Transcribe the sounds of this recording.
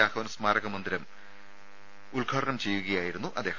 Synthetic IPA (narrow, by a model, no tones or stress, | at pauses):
aːkɐʋɐnɐsmaːɾɐɣɐmɐnd̪iɾɐm | uɭɡʱaːɽɐɳɐmt͡ɕe̞jːuɣɐjaːjiɾunːuʔɐd̪ːe̞ː